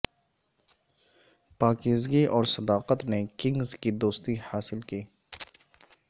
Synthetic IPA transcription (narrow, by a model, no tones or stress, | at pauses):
paːkiːzɡiʔɔːɾsɐd̪aːqət̪nekɪ̃ŋɡzkid̪oːst̪ihaːsɪlkiː